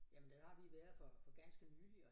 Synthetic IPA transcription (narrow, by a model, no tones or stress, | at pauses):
jæmənd̥æhɑ̈ʋiʋæɐð̩ˠfɒ̽fɒ̽ɡ̥ænsɡ̥ənyːliɒ